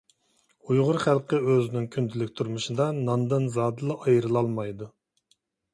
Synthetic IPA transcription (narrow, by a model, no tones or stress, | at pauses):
ujʁʊɾχælˠqəøzɪnɪŋkʲʰynt̪ʰɪlɪkʲt̪ʰuɾmuʃɨd̪ɑnɑnd̪ɨnzɑːd̪ɨlˠɨʔɑjɾɨlˠɑlˠmɑjd̪u